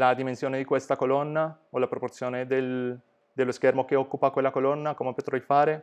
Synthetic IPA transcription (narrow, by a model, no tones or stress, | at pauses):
lad̪imensjoːned̪ikwest̪akolɔnːa | olapɾoport̪sːjoːned̪el | d̪elːoskɛrmokeɔkːupakwelːakolɔnːakomepot̪ɾeifaːɾe